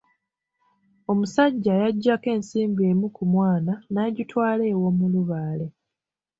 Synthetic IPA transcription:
o̞musaɟːajaɟːake̞ːnsiːmbie̞ːmukumwaːnanaːɟitwaːle̞ːwo̞muluβaːle̞

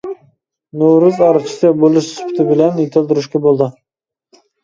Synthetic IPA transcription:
noɾuzɑɾɨt͡ʃʰɪ̥sɛbolˠɨʃsu̥pt̪ʰɪbɪlɛnjet̪ʰɪlˠd̪ɪɾɪʃkʲɛbolˠd̪ɨ

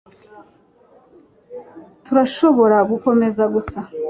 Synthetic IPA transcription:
tuɾaʃo̞βo̞ɾaɡuko̞me̞zaɡusa

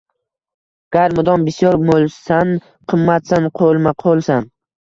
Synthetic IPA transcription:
ɡ̥aɾmʊd̪ɒnbɪsijɒɾmolˠsan | qʰɨmːat̪sanqʰolˠmaqʰolˠsan

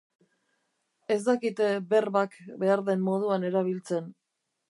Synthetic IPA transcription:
e̞zd̪akit̪be̞rβakbe̞aɾðe̞mːo̞ð̞uane̞ɾaβ̞ilt͡se̞n

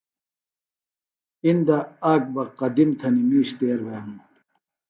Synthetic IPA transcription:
ind̪aaːk̚bɐqɐd̪imt̪ʰɐnimiːɕt̪eːɾbeːm

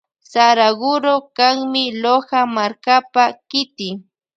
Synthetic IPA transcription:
saɾaɢʊɾokaŋmɪlohamaɾkapakɪt̪ɪ

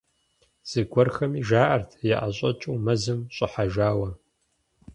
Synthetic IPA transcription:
z̥ɨɡʷɔrxɐmiːʒaːʔɐrtʰjɛʔaɕʼɐt͡ʃʼuːmɐzɨmɕʼɪħaʒaːwɐ

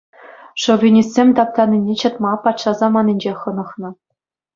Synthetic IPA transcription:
ʂŏvʲinʲisʲsʲemʲt̪ɑp̚t̪ɑnʲːinʲet͡ɕɤ̆t̪mɑpɑt̪ʂɑzɑmɑnʲinʲd͡ʑeχɤ̆nɤ̆χnɤ̆

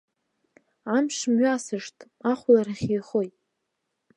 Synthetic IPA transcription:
amʂmɥasɨʂtʰʼ | aχʷlaraχʲiχojtʼ

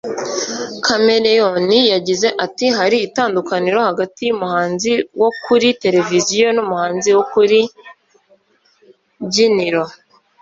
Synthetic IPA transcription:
kʰame̞ɾejonijaɟize̞ʔatiɦaɾiːtaːndukaniɾo̞haɡatijumuhaːnziwo̞kuɾite̞ɾe̞vizijo̞numuhaːnziwokuɾi | ɟiniɾo

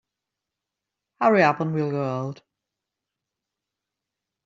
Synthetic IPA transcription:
haɹiabə̃nwilˠɡɜolˠd̥

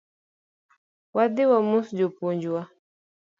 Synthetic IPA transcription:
wad̪iwamusd͡ʒɔpuɲd͡ʒuwa

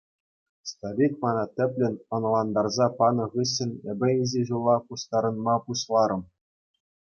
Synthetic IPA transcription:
st̪oɾʲikmɑnɑt̪ʲɘ̆pʲlʲɘ̆nʲɤ̆nlˠɑnd̪ɑrzɑpɑnɤ̆ʁɯɕːɘ̆nʲĕbʲɘ̆izʲeʑulˠːɑpuɕt̪ɑɾɤ̆nmɑpuɕlˠɑɾɤ̆m

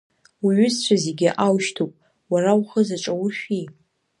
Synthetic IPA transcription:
wiɥʏzt͡ɕʷʰazeɡʲɪʔawʃtʰopʼ | warawχəzaʈ͡ʂʼawʊʃᶣi

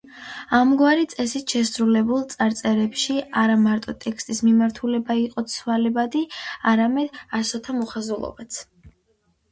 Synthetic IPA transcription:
amɡwaɾit̪sʼɛsit̪ʰʃɛsɾulɛbulˠt̪sʼaɾt̪sʼɛɾɛpʃiaɾamaɾt̪ʼɔt̪ʼɛkʰst̪ʼismimaɾt̪ʰulɛbaiqʼɔt̪sʰwalɛbad̪iaɾamɛd̪̥asɔt̪ʰamɔχazulˠɔ̰bat̪sʰ

